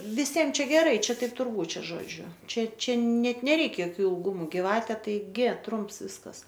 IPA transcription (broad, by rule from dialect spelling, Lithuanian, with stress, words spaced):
ʋʲɪˈsʲiɛm ˈt͡ʃʲɛ ɡʲɛˈrɐɪ ˈt͡ʃʲɛ ˈtɐɪp ˈtʊr ˈbuːt ˈt͡ʃʲæːˈʒoːd͡ʒʲʊ ˈt͡ʃʲɛ ˈt͡ʃʲɛ ˈnʲɛt nʲɛˈrʲɛɪk joːˈkʲuː ɪlˠˈɡʊmʊ ɡʲɪˈʋɑːtʲɛ tɐɪˈɡʲɪ ˈtrʊmps ˈʋʲɪskɐs